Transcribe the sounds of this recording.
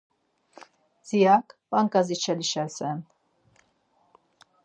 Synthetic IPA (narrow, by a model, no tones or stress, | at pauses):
z̥ijakpʼaŋkʼazit͡ʃʰɛliʃɛlsɛn